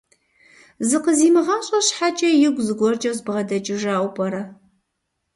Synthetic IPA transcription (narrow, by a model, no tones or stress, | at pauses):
zɨqəziːmɨʁɐmɕʼɐɕħat͡ʃʼɐjɪɡʷzɨɡʷɔrt͡ʃʼɐzbʁɐdɐt͡ʃʼɪʒaːʔʷpʰʼɐɾɐ